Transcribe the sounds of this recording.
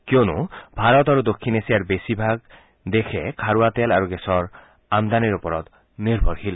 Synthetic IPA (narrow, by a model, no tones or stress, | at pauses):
kjonṵbʱaɾɔt̪aɾud̪okʰːinesijaɹbesibʱaɡ | d̪ekʰekʰaɾuat̪alaɾuɡesɔɹ | amd̪aniɾupɔɾɔt̪ | niɾbʱɔɹhil